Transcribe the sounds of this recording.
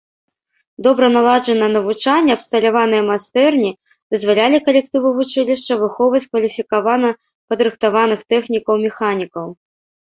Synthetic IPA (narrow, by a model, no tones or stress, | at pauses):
d̪ɔbɾɐnalˠad͡ʐɐnɐnɐvut͡ʂanʲːɛɐpst̪ɐlʲavanɨjɐmast̪ɛrnʲi | d̪ɨzvalʲalʲikɐlʲɛk̚t̪ɨvɨvut͡ʂɨlʲiʂt͡ʂːɐvɨxɔwvɐt͡sʲkvɐlʲifʲikavanɐ | pɐd̪ɾɨxt̪avanɨxt̪ɛxnʲikɐwmʲɛxanʲikɐw